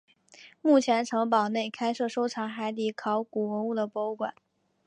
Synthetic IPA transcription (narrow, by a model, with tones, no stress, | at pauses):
mu˥˩t͡ɕʰjɛ˧˥nʈ͡ʂʰɤ˧˥ŋp̬ɑ˨˩ʊne˥˩ɪkʰa˥ɪʂɤ˥˩ʂo˥ʊʈ͡ʂʰɑ˧˥ŋxa˧˥ɪt̪i˧˥kʰɑ˧˥ʊku˨˩wə˧˥u˥˩d̪ə˩pɔ˧˥u˥˩kwa̰˨˩˦n